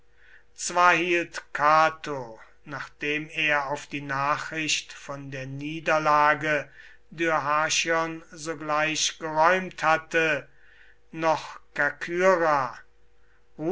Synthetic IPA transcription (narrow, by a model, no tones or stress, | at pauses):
t͡sv̥aːɐhiːltkʰaːtʰo | naːχd̥eːmeːɐaʊfd̥iːnaːχʁɪʃtfɔndeːɐniːdɐlaːɡə | dyɐɦaːʃɔnzoɡlaɪʃɡ̥əʁɔʏmthatə | nɔχkakʰyːʁa | ʁuː